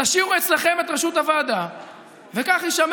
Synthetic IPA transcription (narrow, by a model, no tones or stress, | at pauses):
aʃimuet͡sleχe̞met̪ʁeʃut̪havaːd̪a | vekaχiʃam